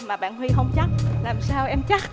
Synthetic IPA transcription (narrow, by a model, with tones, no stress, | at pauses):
maː˨˩ɓa̰ː˧˨nhwi˧ɦə˧wŋ͡mt͡ɕa˦˥k̚laː˨˩msaː˧wʔɛ˧mt͡ɕa˦˥k̚